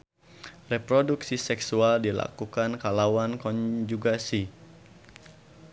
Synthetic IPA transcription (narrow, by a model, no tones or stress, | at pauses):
rɛpɾoduksisɛksualdila̰kukankalawankɔɲd͡ʒuɡasi